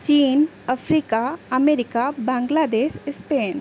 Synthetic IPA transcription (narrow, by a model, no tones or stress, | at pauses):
t͡ʃiːn | əfʰɾiːkaɐmeːɾɪkabãːŋɡlaːd̪eːʃɪspeːn